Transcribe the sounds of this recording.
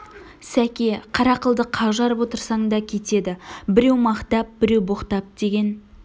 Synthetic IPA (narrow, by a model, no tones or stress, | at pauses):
sækʲeqʰɑɾɑqəlˠd̪əqʰɑʒɑɾəpwo̞t̪əɾsɑɴd̪ɑkʲʰe̞t̪e̞d̪ɪbɪɾe̞wmɑqt̪ɑp̚bɪɾe̞wboqt̪ɑp̚d̪̥e̞ɡʲe̞n